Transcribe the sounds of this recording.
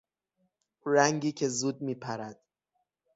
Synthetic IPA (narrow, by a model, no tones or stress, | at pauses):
ɾæŋɟiːcʰe̞zuːd̪̚miːpʰæɾæd̪̥